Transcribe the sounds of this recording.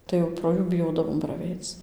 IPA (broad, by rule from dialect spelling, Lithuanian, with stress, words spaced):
tɐɪ jɛʊ proː ˈjuː bʲɪˈjoːdɐʋoːm prɐˈʋʲɛɪt͡s